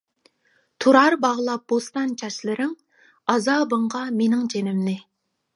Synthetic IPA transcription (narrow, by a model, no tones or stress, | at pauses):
t̪ʰuɾɑɾbɑʁlˠɑp̚bost̪ɑnt͡ʃʰɑʃlˠɪɾɪŋ | ɑzɑːbəɴʁɑmenɪŋt͡ʃʰenɪmnɪ